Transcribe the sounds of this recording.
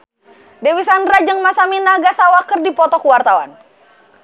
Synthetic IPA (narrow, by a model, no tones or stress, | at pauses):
dewisandɾad͡ʒɨŋmasaminaɡasawakərdipɔt̪ɔkuwart̪awa̰n